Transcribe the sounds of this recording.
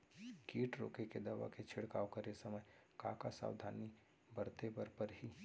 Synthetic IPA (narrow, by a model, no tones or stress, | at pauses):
kiːʈɾo̰ːkeked̪ɐʋa̰ket͡ʃʰɪɽkaːwkəɾesɐməjka̰ːkasa̰ːwd̪ʱaːni | bɐɾt̪ebəɾpəɾɦiː